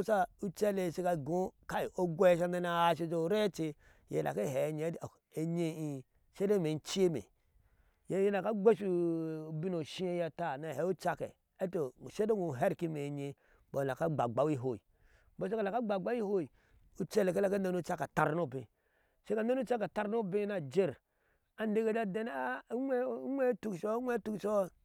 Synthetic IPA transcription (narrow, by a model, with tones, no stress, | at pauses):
sa˦u˦t͡ʃɛ˦le˨se˦ka˨ɡo˨˦ka˦i˨o˦ɡʷɛ˦ʃa˦na˦na˨a˨ʃe˦d͡ʒo˦˨ɾɛ˦t͡ʃe˦ | jḛ˨la̰˨ke˦ɦɛ˨ɲe˨˦˨e˨ɲe˦i˨ | ʃe˦de˦me˨n˦t͡ʃi˦e˦mḛ˨ | je˨˦je˦na˨ka˦ɡʷe˦ʃu˨bi˦no˨ʃi˦e˦ja˨ta˦˨na˨hɛ˨˦u˦t͡ʃa˦kɛ̰˨ | e˦to˨ʃe˦do˦ɡu˨ɦe˦ɾki˦me˨ɲe˧ | bo˨la˨ka˦ɡ͡ba˨ɡ͡ba˦wi˦ɦo˨i˨ | bo˦e˦ka˨la˨ka˦ɡ͡ba˨ɡ͡ba˦wi˦ho˦i˨ | u˦t͡ʃe˦le˨ke˦la˦ka˦ne˦no˦t͡ʃa˦ka˨ta˨ɾno˦˨bi˨ | e˦ka˨na˦nu˦t͡ʃa˦ke˨ta˦ɾno˦bi˦na˨d͡ʒe˦˨ɾ | a˨n˦de˦ɡe˨da˦de˦n˦a˦ŋʷe˦tu˦kʃo˦ŋʷe˦tu˦kʃo˦